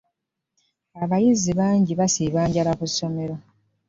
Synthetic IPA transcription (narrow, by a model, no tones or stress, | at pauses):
aβajiziβaːɲɟiβasiːβaːɲɟalakusːo̞me̞ɾo